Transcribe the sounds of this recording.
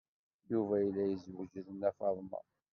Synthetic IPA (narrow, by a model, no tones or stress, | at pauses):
juvæjlːæjəzwəʒəðənːæfɑðˤmɑ̰